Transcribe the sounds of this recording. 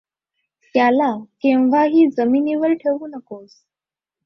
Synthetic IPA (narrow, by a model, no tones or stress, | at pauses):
t̪jalakẽʋ̤aɦiːd͡zəmiːniʋəɾʈʰeʋuːnəkos